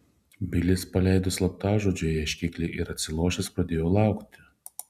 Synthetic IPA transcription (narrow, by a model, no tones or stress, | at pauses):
bʲɪlʲɪspɐlʲɛˑɪd̪ʊslˠɐp̚t̪ɑːʒoːd͡ʒʲoːjɛʃʲkʲɪkʲlʲeʔɪɾɐt̪ʲsʲɪlˠuːʃʲɛspɾɐd̪ʲeːjoːlˠɑˑʊkt̪ʲɪ